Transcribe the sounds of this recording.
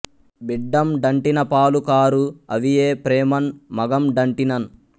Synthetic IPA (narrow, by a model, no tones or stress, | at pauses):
biɖːɐmɖɐɳʈinɐpaːlukaːɾuɐʋijeːpɾɛːmɐnmɐɡɐmɖɐɳʈinɐn